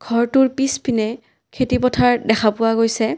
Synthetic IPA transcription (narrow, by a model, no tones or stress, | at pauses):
ɡ̥ʱɔɹtʊɹpispʰinɛ | kʰetipɔtʰaɹdɛxʰapʊwaɡojsɛ